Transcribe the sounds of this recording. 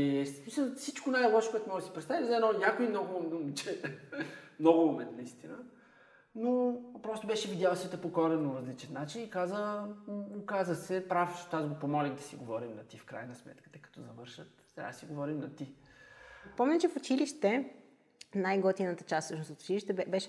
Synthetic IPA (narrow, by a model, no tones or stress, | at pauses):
ɛssmisəlˠfsit͡ʃkonajlˠɔʃo̥kowɛt̪ʊmɔʒd̪si̥pɾɛt̪t̪avizʲɛɛnɔnʲjakʊimnɔɡmomnumt͡ʃɛ | mnɔɡʊmomɛnt̪nɐist̪inə | nopɾɔst̪ʊbɛʃɛvid̪ʲjalˠsɛt̪əpokɔɾɛnʊɾɐzlit͡ʃɛt̪nat͡ʃinikazə | okazəsɛpɾaft͡ʃɛ̥t̪azɡopomɔlʲixd̪ɐsiɡovɔɾimnɐt̪ifkɾa̰jnɐsmɛ̰t̪kə̥t̪əkɐ̥t̪ɔzɐvɤɾʃət̪ːɾʲa̰d̪əsiɡovɔɾimnɐt̪i | pɔmɲʲət͡ʃɛfʊt͡ʃiliʃt̪ɛ | najɡɔt̪inət̪ət͡ʃast̪sɤʃnosot̪ʊ̥t͡ʃiliʃt̪ɛbɛʃ